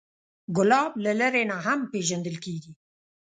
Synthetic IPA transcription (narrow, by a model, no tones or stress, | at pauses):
ɡʊlɑblaləɾenaɦampeʒand̪əlkeɡi